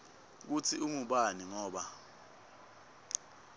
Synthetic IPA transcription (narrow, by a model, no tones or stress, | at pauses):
k̬ut͡sʰiumuɓaniŋɔːɓa